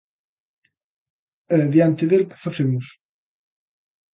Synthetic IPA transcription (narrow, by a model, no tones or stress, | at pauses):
ɛðjant̪ɪðelkɪ̥faθemʊs